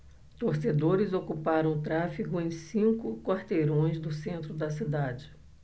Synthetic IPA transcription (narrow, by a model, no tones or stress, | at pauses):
t̪oɾsed̪oɾɪzokupaɾɐ̃w̃ʊt̪ɾafiɡʊẽj̃sĩŋkʊkwaɾt̪ejɾõj̃zd̪ʊsẽnt̪ɾʊd̪ɐsid̪ad͡ʒɪ